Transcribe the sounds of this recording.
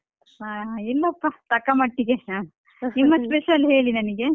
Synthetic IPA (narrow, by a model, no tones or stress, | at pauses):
ɦaːɦilːɐɐpːɐt̪ɐkːɐmɐʈːiɡeɦaː | nimːɐspeʃɐlɦe̞ːɭinɐniɡe̞